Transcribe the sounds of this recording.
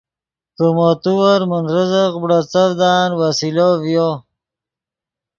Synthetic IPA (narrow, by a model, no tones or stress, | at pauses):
kəmot̪uwaɾmənɾəzəqbɽat͡savd̪aːnwasilovjo